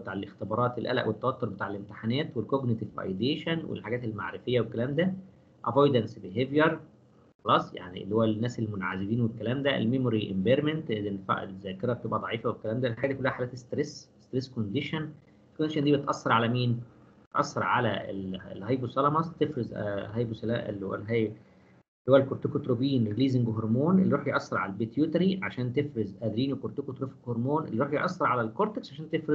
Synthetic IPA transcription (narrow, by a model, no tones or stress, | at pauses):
bet̪aːʕelʔext̪ebɑːɾˤɑːt̪elʔæ̰læ̰ʔwet̪ːæwæt̪ːoɾˤbet̪aːʕelʔemt̪e̥ħanæːt̪welkoɡnet̪ivʔɑ̰jd̪eːʃænwḛlħaɡæːt̪elma̰ʕɾefejːæwekːælæːmd̪æ | ʔævojd̪ænsbeɦevjɑɾˤ | xɑlɑːsˤja̰ʕniḛlːihowːænːæːselmonʕazebiːnwekːælæːmd̪æḛlmemoɾiʔḛmbeɾment̪enfa̰ʔzæːkeɾæb̚t̪ebʔæd̪ˤɑʕiːfæwekːælæːmd̪ælħaɡæd̪ikolːæhæħalæːt̪est̪ɾesest̪ɾeskond̪eʃæn | knːæʃænd̪ibet̪ʔɑsːɑɾˤʕalæmiːn | bet̪ʔɑ̰sːɑɾˤʕalæḛlḛlhɑjbusɑlɑmɑst̪efɾez̰ɦɑjbusælæ̰ːʔḛlːho̰wæ̰lɦæj | lhowːælkoɾt̪okot̪ɾobiːnɾeliːziŋɡoɦoɾˤmoːnʔelːiɾoːħijʔɑsˤːɑɾˤʕa̰lælbet̪jut̪ɾiʕaʃæːnt̪efɾezʔæd̪ɾiːnwekoɾt̪ekot̪ɾofɡhoɾmoːnʔḛlːiɾoħjʔɑsˤːɑɾˤʕalælkoɾt̪eksʕaʃæːnt̪efɾez